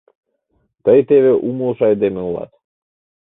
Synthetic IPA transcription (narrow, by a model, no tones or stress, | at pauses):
t̪əjt̪eβeʔumulˠʃɑjd̪emeulˠɑ̰t̪